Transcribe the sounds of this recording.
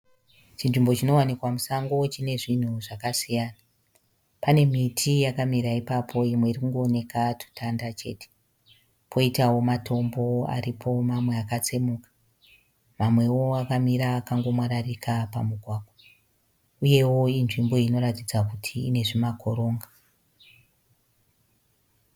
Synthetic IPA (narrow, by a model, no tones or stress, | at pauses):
t͡ʃinʐimbo̞t͡ʃino̞wanikwamusaŋɡot͡ʃine̞ʐin̤uʐakasijana | pane̞mitʰijakamiɾaipapʰo̞imwe̞irikuŋɡo̞ːne̞katu̥tʰandat͡ʃe̞̰te̥ | pʰo̞itawo̞matʰo̞mbo̞a̰ripʰo̞mamwe̞akat͡se̞mukḁ | mamwe̞wo̞akamiɾaːkaŋɡo̞mwaɾarikʰapamuɡʱwaːko | uje̞wo̞inʐimbo̞ino̞ɾatid͡zakutʰiːne̞ʐimakʰo̞ɾo̞ːŋɡa